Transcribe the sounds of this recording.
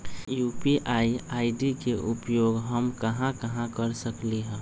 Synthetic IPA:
juːpiʔaːiaːɪɖikeʔʊpjoːɡɦəmkəɦãkəɦãkəɾsəkliɦɛ̃

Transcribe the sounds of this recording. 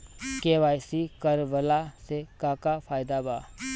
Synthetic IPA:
keːʋaːjsikəɾʋəlasekaːkapʰaːjd̪abaː

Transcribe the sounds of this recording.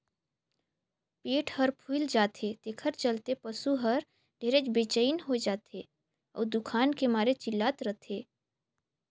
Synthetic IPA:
peːʈʰhəɾpʰuld͡ʒaːt̪ʰet̪ekʰəɾt͡ʃəlt̪epəsuɦəɾ | ɖʱeːɾet͡ʃbeːt͡ʃəinɦod͡ʒaːt̪ʰe | ɔ̰ːɾd̪ʊkʰaːnkemaːɾet͡ʃɪlːaːt̪ɾət̪ʰeː

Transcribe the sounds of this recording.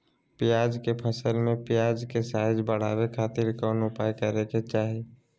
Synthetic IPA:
pɪjaːd͡ʒkepʰəsəlmẽpɪjaːd͡ʒkesaːjd͡ʒbəɽ̤a̰ːwekʰaːt̪ɪɾkɔnʊpajkəɾeket͡ʃaːɦi

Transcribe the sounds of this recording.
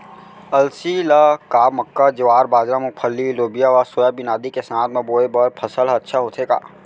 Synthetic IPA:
ɐlsilakaːməkːad͡ʒɪʋaːɾbaːd͡ʒɾamʊk̚pʰəlːiloːbijaʋasoːjabɪnaːd̪ikesəaːt̪mẽboːebəpʰɐsəlɐtːʃʰaɦoːt̪ʰeːɡa̰ː

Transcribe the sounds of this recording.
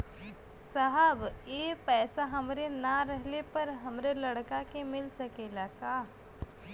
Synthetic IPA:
sɐɦəbeːpɛːsaɦɐmɾenaɾɛɦlepɐɾɦɐmɾelɐɽkakemɪlsɐkeːlakaː

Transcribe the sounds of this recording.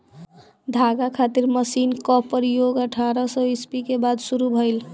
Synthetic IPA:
d̪ʱaɡakʰat̪iɾməsinkɔpːəɾijoɡəʈʰaɾɔsɔispikebad̪suɾubʱəjl

